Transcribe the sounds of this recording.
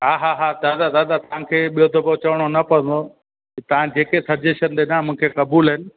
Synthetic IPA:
ɦaːɦaːɦad̪aːd̪ad̪aːd̪at̪ɐʋ̤ãkʰeːɓijod̪ɐbot͡ɕɐʋəɽ̃onɐpɐə̃n̆d̪o | t̪ɐʋ̤ãd͡ʑeːkesɐɾd͡ʑeʃənd̪eːnaːmʊ̃ɪ̃kʰekɐbuːlɪnɪ̆

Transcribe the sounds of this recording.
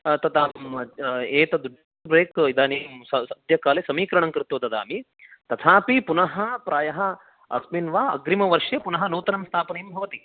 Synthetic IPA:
t̪ɐt̪aː | eːt̪ɐd̪uɖ | bɾeːkid̪aːneːmsɐɐd̪ʱjɐkaːlesɐmiːkɾɐɳ̃ɐŋkɾɪt̪ːoːt̪ɐt̪a̰ːmi | t̪ɐt̪ʰaːpipunɐɦɐpɾaːjɐɦɐ | ɐ̰sminʋaːɐ̰ɡɾimɐʋɐɾʂjepunɐɦɐnoːt̪ɐnɐmst̪ʰaːpɐnejmbʱɐʋɐt̪i

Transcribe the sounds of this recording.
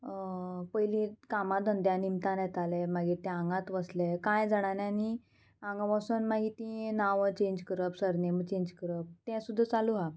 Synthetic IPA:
pəjlĩkamãd̪ʱənd̪janimt̪ãnjɛt̪alɛmaɡiɾt̪ɛ̃ãŋɡãt̪ʋəslɛkãjd͡zaɽ̃anjãni | ãŋɡaʋasənmaɦit̪ĩnaʋət͡ɕẽɲd͡ʑkəɾəpsəɾnemət͡ɕẽɲd͡ʑkəɾəp̚t̪ɛ̃sud̪ʱːat͡saluɦa

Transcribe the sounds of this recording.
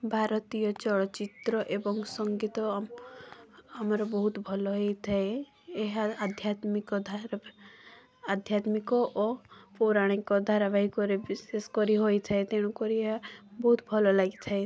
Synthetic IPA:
bʱaɾɔt̪ijɔt͡ʃɔɭɔt͡ʃit̪ɾɔʔebɔŋsɔŋɡit̪ɔ | amaɾɔbɔɦut̪bʱɔlɔɦejt̪ʰae | eɦaːd̪ʱjat̪mikɔd̪ʱaɾ | ad̪ʱjat̪mikɔʔɔpoɾaɽ̃ikɔd̪ʱaɾabaɦikɔɾebiseskɔɾiɦojt̪ʰaet̪eɽ̃ukɔɾieɦabɔɦut̪bʱɔlɔlaɡit̪ʰae

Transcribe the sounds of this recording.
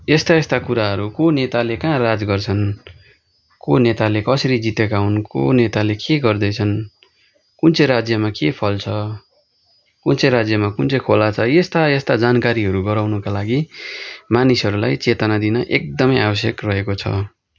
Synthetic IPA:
est̪aest̪akuɾaɦʌɾukonet̪alekãrad͡zɡʌrt͡sʰʌn | konet̪alekʌsʌɾid͡zit̪ekaunko̰net̪alekeɡʌrd̪ʌjt͡sʰʌn | kunt͡seɾad͡zjʌmakepʰʌlt͡sʰʌ | kunt͡seɾad͡zjʌmakunt͡sʌkʰolat͡sʰʌjest̪aest̪ad͡zankaɾiɦʌɾuɡʌɾawnʌkalaɡi | manisʌɾulajt͡set̪ʌnad̪inʌʔek̚d̪ʌmʌjabʌs̬jʌkrʌɦekot͡sʰʌ̰

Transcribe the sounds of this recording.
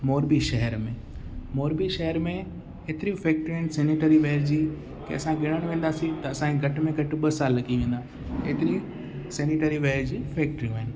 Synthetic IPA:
moːɾbiʃɐɦəɾmẽ | moːɾbiʃɐɦəɾmẽ | et̪ɪɾĩfɛːk̚ʈɾĩɪnsɛːniʈəɾiʋeːɾd͡ʑiː | kḛɐsãɡɪɽ̃əɽ̃ʋẽːnd̪aːsĩt̪ɐɐsãeɡʱɐʈmẽɡʱɐʈɓəsaːlːɐɡiʋẽːnd̪aː | eːt̪ɪɾĩ | sɛːnɪʈəɾiʋeːɾd͡ʑiːfɛːk̚ʈəɾijũɦɪnɪ̆

